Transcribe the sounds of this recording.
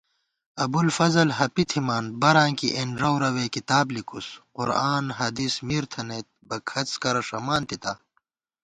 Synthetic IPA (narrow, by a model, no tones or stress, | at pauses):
ɐbulfɐzɐlɦɐpit̪ʰimaːnbɐɾãːŋkiʔenɾɐwɾɐweːkit̪aːblikʰusqʊɾaːnɦɐd̪ismiːɾt̪ʰɐneːt̪̚bɐkʰɐt͡skɐɾɐʂɐmaːnt̪it̪aː